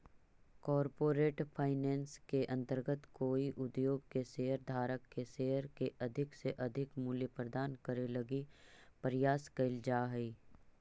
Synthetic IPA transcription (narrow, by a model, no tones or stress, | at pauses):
kɔːɾpoːɾeːʈpʰaːɪnɛ̃ːnskeʔɐ̃nt̪əɾɡət̪koːiʔʊd̪joːɡkeseːəɾd̪ʱaːɾəkːeseɦəɾkeʔɐd̪ʱɪkseʔɐd̪ʱɪkmuːljəpɾəd̪aːnkəɾelɐɡipəɾɪjaːskɐld͡ʒaːɦɛi